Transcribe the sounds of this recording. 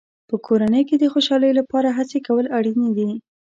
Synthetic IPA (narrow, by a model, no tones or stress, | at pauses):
pəkʰoɾanəjked̪əxoʃɑləjolapɑɾaɦat͡sekawəlaɽined̪i